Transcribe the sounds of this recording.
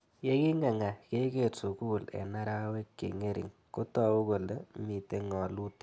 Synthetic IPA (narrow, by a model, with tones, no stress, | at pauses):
je˦ki˦ŋa˨ŋa˨ke˦ke˨su˨ku˦lḛ˨na˦ɾa˦we˦kːḛ˨ŋe˦ɾʔḭ˨ŋko˦tɔ˦u˦ɣo˨le˦mi˨te˦ŋɔ˨lu˦t